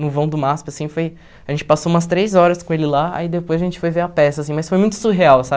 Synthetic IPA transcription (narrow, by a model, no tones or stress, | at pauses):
nʊvɐ̃w̃d̪ʊmaspɐasĩfoj | aʒẽnt͡ʃɪ̥pasoũmɐst̪ɾejzɔɾɐskõelɪlaa̰id̪epojzɐʒẽnt͡ʃɪ̥fojveɾɐpɛsɐːsĩmɐjsfojmũj̃t̪ʊ̥suɦeawsa